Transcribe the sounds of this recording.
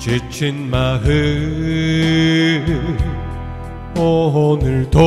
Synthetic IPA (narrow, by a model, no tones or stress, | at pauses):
t͡ɕet͡ɕʰinmaɦɯ | ɔɦɔnɯɭt̪o